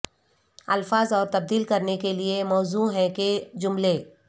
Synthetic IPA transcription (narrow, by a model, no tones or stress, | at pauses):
ɐlfaːzɔːɾt̪ɐb̚d̪iːlkɐɾnekeliemɔːzuɦɛ̃ked͡ʒʊmle